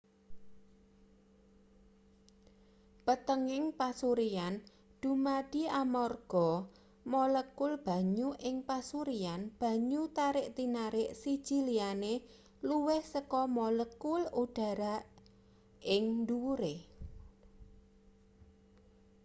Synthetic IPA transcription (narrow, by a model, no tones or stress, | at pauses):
pət̪əŋɪŋpasuɾian | d̪̥ṳmad̥i̤amɔrɡ̥ɔ | mɔləkʊlb̥a̤ɲuʔɪŋpasuɾianb̥ä̤ɲut̪aɾɪʔt̪inaɾɪʔsi̥ʒ̥i̤liane | luwɪhsəkɔmɔləkʊluɖ̥a̤ɾa | ɪŋnd̪uɾe